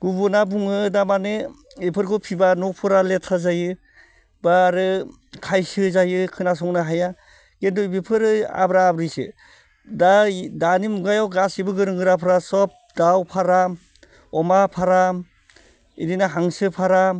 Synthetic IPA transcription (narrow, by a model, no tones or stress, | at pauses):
ɡ̥ubunabuŋɯdamane | ipʰɯɾkʰɔpʰibanɔpʰɯɾaletʰazajɯ | baɾɯ | kʰajsɯzajɯkʰɯnas̬ɔŋnaɦaja | kendɔbipʰɯɾɯa̰bɾaːbɾisɯ̰ | dadanimuɡajawɡasibɯɡɯɾɯŋɡɯɾapʰɾasɔp̚dawpʰaɾa | ɔmapʰaɾa | idinaɦaŋsɯpʰaɾa